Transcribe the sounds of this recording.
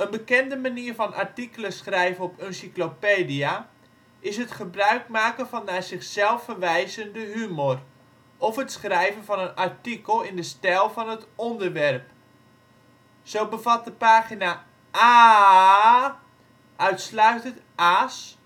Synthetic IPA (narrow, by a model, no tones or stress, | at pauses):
ənbəkɛndəmaniːrfɔnʔa̰rtikələsχrɛjvənɔpønsiklopeːdia | ʔɪsɦətχəbrœɥk̚maːkənvɔnːazɪχsɛlˠfərʋɛjzəndəɦymor | ɔfətsχrɛjvənvɔnənartikəlˠɪndəstɛlˠfɔnətɔndərʋɛrp | soːbəvat̚dəpaːχina | a | ʔœɥtslœɥtəntʔas